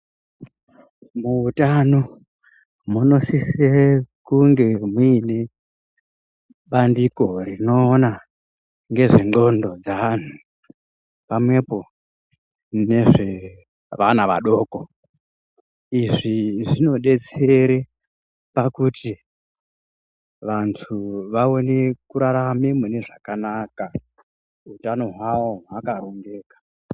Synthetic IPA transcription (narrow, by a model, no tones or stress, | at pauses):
muːtano | muno̞sisekuŋɡe̞mwiːne̞ | ɓandiko̞rino̞ːna | ŋɡe̞ʐeŋ͡ǃo̞ndo̞d͡zaʋan̤u | pamwe̞po̞ | ne̞ʐe̞ | ʋanaʋaɗo̞ːko̞ | iʐiʐino̞ɗe̞t͡se̞ɾe | pakuti | ʋantʰuʋaone̞kuɾaɾamemune̞ʐakanaka | utano̞ɦwawoɦakaɾo̞ŋɡe̞ːkḁ